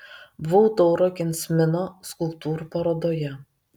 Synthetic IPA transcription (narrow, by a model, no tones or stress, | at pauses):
bʋoʊt̪ɔʊɾoːkʲɪnʲsʲmʲɪnoskʊlˠp̚t̪uːɾupɐɾoːd̪oːjɛ